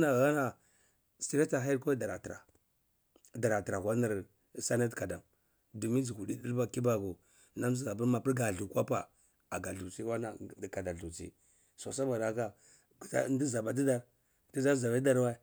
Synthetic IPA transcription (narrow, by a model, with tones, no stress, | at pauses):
na˨ɣa˦na˨ | si˨ɾe˦ta˨ɦa˦ji˦ɾko˦da˨ɾa˨ta̰˨ | da˨ɾa˨tɾa˨ɣʷa˦na˦˨ɾ | sa˦na˦tka˨da˨m | du˨mi˦d͡zi˨ɡu˨di˦di˦lba˦ki˦ba˨ɡu˨ | na˦m˦i˦za˨p̬ə˦ɾma˨pi˦ɾɡa˨ɮu˨kwa˦pa˨ | a˨ɡa˨ɬu˨t͡si˦wa˦na˨ka˨da˨ɬu˨t͡sḭ˦ | so̰˨sa˦ba˨da˨ka˦˨ | a̰˦n˦di˦za˨ba˨di˦da˦ɾ | ti˦za˦za˨ba˦da˦ɾwa˦